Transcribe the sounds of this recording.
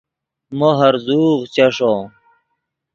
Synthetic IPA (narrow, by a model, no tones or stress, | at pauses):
moɦɐɾzuːʁt͡ɕɐʂo